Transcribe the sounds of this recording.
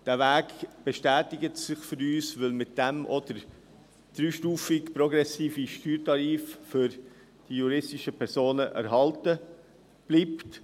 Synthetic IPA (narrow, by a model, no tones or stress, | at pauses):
d̥æːvæːkb̥ɛʃtæːtɪɡətsɪχfʏɾyːsvɪlmɪt̚d̥ɛmʔɔd̥əɾ | d̥ɾyːʃtuːfɪkpɾɔɡɾɛsiːfiʃtyːɾtɑɾiːffʏɾ | d̥ijuɾɪstiʃəpʰɛɾsoːnəʔæ̰ɾɦɑltə | b̥liːpt